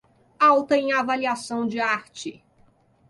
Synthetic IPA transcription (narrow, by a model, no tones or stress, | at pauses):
awt̪ɐẽj̃avaliasɐ̃w̃d͡ʒɪaɾt͡ʃɪ